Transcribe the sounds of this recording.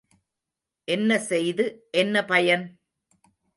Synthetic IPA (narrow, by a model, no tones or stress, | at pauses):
ʔɛnːɐsɛjðɯʔɛnːɐpɐjɐn